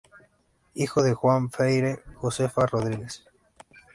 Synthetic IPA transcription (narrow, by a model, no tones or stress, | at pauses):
ixoðexwaɱfejɾexosefaroðɾiɣes